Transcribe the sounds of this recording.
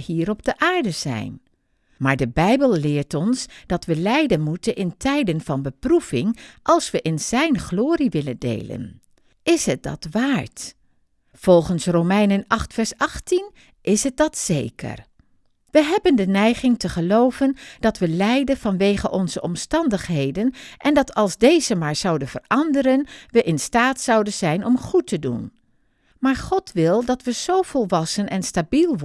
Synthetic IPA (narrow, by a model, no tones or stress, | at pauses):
hiːɾɔb̚dəʔaːɹdəzɛ̰jn | maːɹdəbɛjbəlˠlɪːɹtɔnsd̥ɑtʋəlɛjdənmutənʔɪntʰɛjdənvɑnbəprufɪŋʔɑlˠsʋəʔɪnz̥ɛjnχloːriʋɪləndḛjlə̰n | ɪsɦət̚dɑ̰tʋaːɹt | v̥ɔlˠχənsrowmɛjnənɑχtfɛɹsɑχtin | ʔɪsɦət̚d̥ɑtsḛjkə̰r | ʋəɦɛbəndənɛjχɪŋtəχəlowvənd̥ɑtʋəlɛjdəv̥ɑnʋejχəʔɔnzəʔɔmstɑndəχɦejdənʔɛndɑtʰɑlˠzdejzəmaːɹz̥ɑwdənvə̰rɑndəɾənʋəʔɪnstaːtsɑwdənzɛjnɔmχutədṵn | maːɹχɔtʋɪlˠdɑtʋəz̥owv̥ɔlˠʋɑsənɛnstabilˠʋ